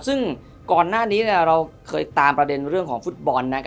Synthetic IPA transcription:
sɯ˥˩ŋ | kɔː˨˩nːaː˥˩niː˦˥ni˥˩əɾa˧wkʰɤː˧jt̪aː˧mpɾa˧de˧nɾɯ˥˩əŋkʰɔː˩˦ŋfu˦˥t̪̚bɔ˧nːa˦˥kʰ

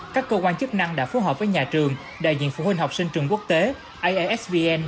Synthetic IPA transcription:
kaː˦˥kːəː˧kwaː˧nt͡ɕɨ˦˥k̚na˧ŋɗa̰ː˧˥fo˨˦ɦəː˨˩p̚vəː˨˦jɲaː˨˩t͡ɕɨ˨˩əŋ | ɗa̰ː˧˨jzḭ˧˨ənfṵ˧˨hwi˧ŋ̟ɦa˨˩wk͡p̚sï˧ŋ̟t͡ɕɨ˨˩əŋku˦˥ək̚t̪e˨˦ | ʔa˧jʔʔɛ˦˥svi˧ʔɛ˧n

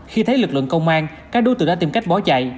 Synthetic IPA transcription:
xi˧t̪ʰə˨˦jlɨ˨˩k̚lɨ̰˧˨əŋkə˧wŋ͡mʔaː˧n | kaː˦˥k̚ɗo˨˦t̪ɨ̰˧˩ɗaː˧t̪i˧mka˦˥jk̚ɓɔ˨˦t͡ɕa̰˧˨j

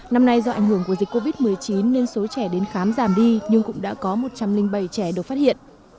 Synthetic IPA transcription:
na˧mna˧jzɔ˧ʔa˧˩jŋ̟ɦɨ˧˩əŋku˧˩əzi˨˩k̚ːo˧vi˦˥t̚mɨ˨˩əjt͡ɕi˨˦nːe˧nso˨˦t͡ɕɛ˧˩ɗe˨˦nxaː˨˦mzaː˧˩mɗi˧ɲɨ˧ŋkʊ̰˧˥ŋ͡mɗa̰ː˧˥kɔ˨˦mo˨˩t̚t͡ɕa˧mlï˧ŋ̟ɓə˧˩jt͡ɕɛ˧˩ɗɨ˨˩ək̚faː˦˥t̚hḭ˧˨ənʔ

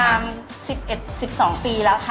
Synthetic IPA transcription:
aː˧m | si˨˩p̚ʔe˨˩t̪̚si˨˩p̚sɔː˩˦ŋpiː˧lɛː˦˥kʰ

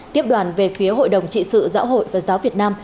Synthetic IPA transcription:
t̪i˦˥əp̚ɗwaː˨˩nve˨˩fi˨˦əɦo̰˧˨jɗə˨˩wŋ͡mt͡ɕḭ˧˨sɨ̰˧˨za̰ː˧˥wɦo̰˧˨jvaː˨˩zaː˨˦wvi˨˩ət̚naː˧m

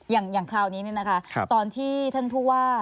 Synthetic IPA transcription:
jaː˨˩ŋjaː˨˩ŋkʰlaː˧˩wniː˦˥ni˥˩na˦˥kʰa˦˥˧t̪ɔː˧nt̪ʰiː˥˩t̪ʰa˥˩npʰuː˥˩waː˥˩

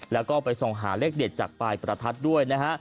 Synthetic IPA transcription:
lɛː˦˥wkɔː˥˩pa˧jso˨˧ŋɦaː˩˦le˦˥˩k̚de˨˩t̪̚t͡ɕaː˨˩k̚paː˧jpɾa˧t̪ʰa˦˥t̪̚du˥˩əjna˦˥kʰa˦˥ʔ

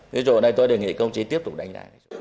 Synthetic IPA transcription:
i˨˦t͡ɕo̰˨˧˨nɗə˧jt̪o˧jɗe˨˩ŋḭ˧˨kə˧wŋ͡mt͡ɕi˨˦t̪i˦˥əp̚t̪ʊ˨˩k͡p̚ɗa˧jŋ̟za̰ː˧ŋa˧˦˧

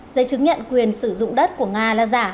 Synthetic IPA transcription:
zə˨˦jt͡ɕɨ˨˦ŋɲə̰˧˨nkwi˨˩ənsɨ˧˩zʊ̰˧˨ŋ͡mɗə˦˥t̚ku˧˩əŋaː˧laː˨˩zaː˧˩

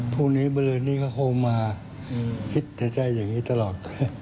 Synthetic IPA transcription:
pʰuː˥˩niː˦˥bɔ˧lɤː˧nt̪iː˥˩kʰa˥˩kʰoː˧maː˧ | kʰi˦˥t̪̚t͡ɕa˧˩t͡ɕa˧˩jːaː˨˩ŋːiː˦˥t̪a˧lɔː˨˩t̪̚ka˧˩

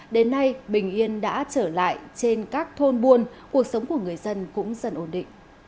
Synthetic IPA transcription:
ɗe˨˦nːa˧jɓï˨˩ŋ̟ʔi˧ənɗa̰ː˧˥t͡ɕəː˧˩la̰ː˧˨jt͡ɕe˧nkaː˦˥k̚t̪ʰo˧nɓu˧ənku˨˩ək̚sə˨˦wŋ͡mku˧˩əŋɨ˨˩əjzə˧nkʊ̰˧˥ŋ͡mzə˨˩nʔo˧˩nɗḭ̈˧˨ŋ̟

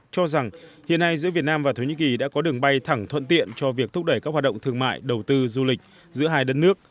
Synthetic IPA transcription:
t͡ɕɔ˧za˨˩ŋhḭ˧˨əna˧jzɨ̰˧˥vi˨˩ət̚naː˧mvaː˨˩t̪ʰoː˧˩ɲḭ˧˥ki˨˩ɗa̰ː˧˥kɔ˨˦ɗɨ˨˩əŋɓa˧jt̪ʰa˧˩ŋt̪ʰwə̰˧˨nt̪ḭ˧˨ənt͡ɕɔ˧vi˨˩ək̚t̪ʰʊ˦˥k͡p̚ɗə˧˩jkaː˦˥k̚waː˨˩ɗə̰˧˨ŋ͡mt̪ʰɨ˧əŋma̰ː˧˨jɗə˨˩wt̪ɨ˧zu˧lï˨˩k̟̚ | zɨ̰˧˥ɦaː˧jɗə˦˥t̚nɨ˦˥ək̚

